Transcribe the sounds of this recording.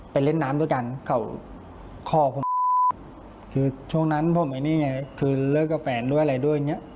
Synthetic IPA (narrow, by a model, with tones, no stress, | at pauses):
pa˨˧jle˥˩nːaː˦˥mdu˧˩əjka˧nkʰa˧˩w | kʰɔː˧˩pʰo˨˩˦ | kʰɯː˧t͡ɕʰu˥˩əŋna˦˥npʰo˨˧˦mʔa˧˩niː˧˥˩ŋa˧jkʰɯː˧lɤː˧˩kːa˧˩fɛː˩˦ndu˥˩əjʔla˧jdu˥˩əjŋːi˦˥ə˨ʔ